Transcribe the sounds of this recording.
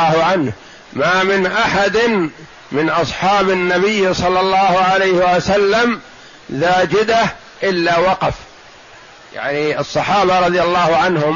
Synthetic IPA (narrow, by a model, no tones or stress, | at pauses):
hʊʕanh | mamɪnʔaħad̪ɪn | mɪnʔɑsˤħɑːbɪnːabɪjːsˤɑlːɑlːɑːhʊʕalajhɪwasalːam | ðaːd͡ʒɪd̪ah | ʔɪlːaːwɑqɑf | ja̰ʕniɑsˤːɑħɑːbaɾˤɑðˤjalːɑːhʊʕanhʊm